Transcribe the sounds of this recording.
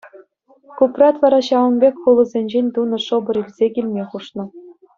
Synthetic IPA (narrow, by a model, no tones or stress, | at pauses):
kuprɑt̪ʋɑɾɑɕɑʋɤ̆nbʲekʲχulˠɤ̆zʲenʲd͡ʑenʲt̪unɤ̆ʂɤ̆bɤ̆ɾilʲzʲekʲilʲmʲeχuʂnɤ̆